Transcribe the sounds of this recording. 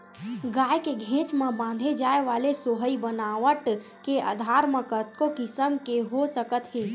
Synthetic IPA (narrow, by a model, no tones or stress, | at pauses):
ɡaːekeɡʱẽːt͡ʃmə̃bãːnd̪ʱed͡ʒaːeʋaːlesoːɦəibənaːʋəʈ | kea̰ːd̪ʱaːɾmə̃kət̪kokɪsəmkeɦosəkət̪ɦeː